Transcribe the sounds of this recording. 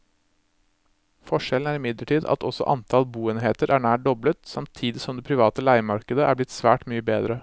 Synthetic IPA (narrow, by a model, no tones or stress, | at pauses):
fɔʂɛln̩æːɾɪmɪd̪ləʈʰiːd̪ɑ̰t̪ɔsɔ̰ʔɑ̰nt̪ʰɑlbuːeːnɦeːt̪əɾʔæːɳæːʈ̚ɖɔblət̪sɑmt̪ʰiːd̪ɪsɔmd̪ɛːpʰɾɪʋɑːt̪əlæɪmɑɾkəd̪əʔæ̰ɾblɪt̪sʋæːʈmyːəbeːd̪ɾə